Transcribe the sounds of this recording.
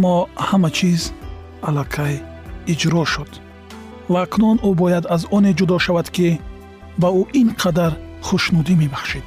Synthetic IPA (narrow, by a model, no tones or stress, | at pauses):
amːɔhamat͡ʃʰiz | alakʰaj | id͡ʒɾɔʃud̪̥ | vaːknunubɔjad̪azɔne̞d͡ʒud̪ɔʃavad̪ki | bauʔinqʰad̪aɾχuʃnud̪imebaχʃid̪̥